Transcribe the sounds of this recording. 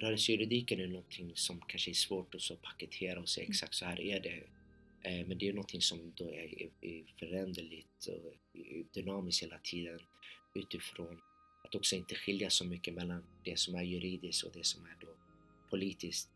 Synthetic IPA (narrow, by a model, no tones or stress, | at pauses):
ɾœːɾəsjɵɾɪd̪iːkənænɔnt̪ʰɪŋːsɔmkʰanʂəæʂvoːʈɔsɔpʰakɛt̪ʰeːɾaɔsḛːɛksakt̪sɔhæːɾʔæɖɛ | mɛnd̪ɛjʉnɔnt̪ʰɪŋsɔmd̪ɔɛ̰ɛfœɾɛnd̪əɭɪt̪ɔ̰d̪ʏnɑːmɪskheːlat̪ʰiːd̪ənʉ̟ːt̪ɪfɾoːn | at̪ɔksɔɪnt̪əɧɪljasɔmʏkːəmɛlːand̪̥ɛsɔmæɾjɵɾiːd̪ɪskɔ̰d̪ɛsɔmæɖɔ | pʰʊliːt̪ɪskt̪